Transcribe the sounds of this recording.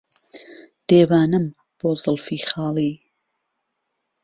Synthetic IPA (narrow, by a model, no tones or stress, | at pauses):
d̪̥eːwaːnɨm | b̥oːzɨlˠfiːχɑːlˠiː